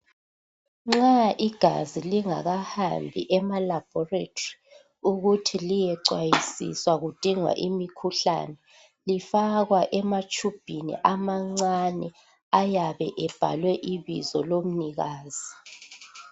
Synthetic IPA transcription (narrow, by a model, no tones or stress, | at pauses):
ŋ͡ǁaʔiɡ̥ʱa̰ziliŋa̰ɣahambʱḭʔɛmalab̥ʱɔretʰori | uɣutʰilijɛǀwajisḭswaɣud̥ʱiŋwa̰ʔimikʰuɬa̰nɛ | lifaɣwaʔɛmat͡ʃʼub̥ʱinḭʔamaŋ͡ǀanɛ | ajaβɛʔɛb̥ʱa̰lwɛʔiβḭzɔlom̩niɣaːz̥i